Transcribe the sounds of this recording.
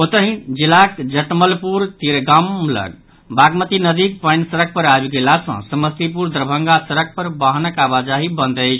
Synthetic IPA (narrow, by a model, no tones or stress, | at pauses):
ot̪əɦĩd͡ʒilakd͡ʒəʈməlpuɾt̪iɾɡamlə̰ɡ | baɡmət̪inəd̪ik̚pəjnsəɾək̚pəɾabɡelasə̰̃səməst̪ipuɾd̪ɾəbʱə̃ŋɡasəɾək̚ʰpəɾbaɦnəkabad͡ʒaɦibənd̪əjt͡ʃʰ